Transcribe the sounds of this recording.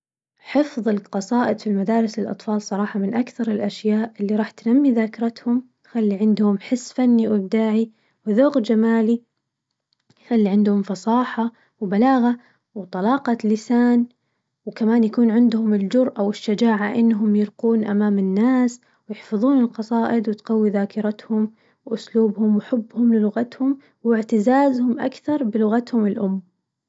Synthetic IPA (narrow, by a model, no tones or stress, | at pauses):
ħɪfðˤɨlqɑsˤɑːʔɪd̪filmad̪aːɾˤɪsɪlʔɑ̰t̪ˤfɑːlsˤɑɾˤɑːħɑmɪnʔakθɑɾˤɪlʔaʃjaːʔʔɪlːiɾˤɑːħt̪namːiðaːkɾˤɑt̪hʊmt̪xalːiʕɪnd̪hʊmħɪsːfanːiwɪb̚d̪aːʕi | wðʊɣd͡ʒamaːli | xalːiʕɪnd̪hʊmfɑsˤɑːħa | wbalaːɣa | wt̪ˤɑlɑːqɑlɪsaːn | wkamaːnjakuːnʕɪnd̪hʊmɪld͡ʒʊɾʔawɪʃːad͡ʒaːʕaʔɪnːɦʊmjɪɾquːnʔamaːmɪnːaːs | wjɪħfɑðˤuːnɪlqɑsˤɑːʔɪd̪wɪt̪qawːiðaːkɪɾɑt̪hʊm | wʔʊsluːbhʊmwɪħʊbːhʊmlɪlʊɣat̪hʊm | wɪʕt̪ɪzaːzhʊmʔa̰kθɑɾˤbɪlʊɣat̪hʊmɪlʔʊmː